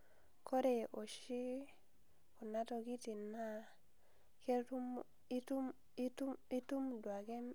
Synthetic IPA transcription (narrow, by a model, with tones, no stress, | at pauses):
kʰo˦ɾe˨ʔo˨ʃi˦ | ku˨na˦to˨ki˦ti˨nːa˦ | ke˦u˦m˦ | tu˦m | i˦tu˦i˦tu˦mdwa˨ɡe˦m